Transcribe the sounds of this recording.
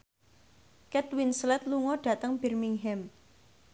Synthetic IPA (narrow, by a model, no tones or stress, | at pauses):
kɛt̪winslɛt̪̚luŋɔɖ̥ä̤t̪əŋb̥ɛrmiŋɦɛm